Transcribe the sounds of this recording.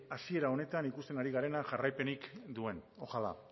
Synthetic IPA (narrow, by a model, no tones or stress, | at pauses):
asie̞ɾao̞ne̞t̪anikust̪e̞naɾiɣaɾe̞naʝarajpe̞nikd̪ue̞no̞xala̰